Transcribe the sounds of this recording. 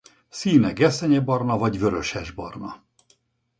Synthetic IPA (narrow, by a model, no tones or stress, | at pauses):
siːnɛɡɛsɛɲɛbɒrnɒvɒɟvø̞ɾø̞ʃɛʒbɒrnɒ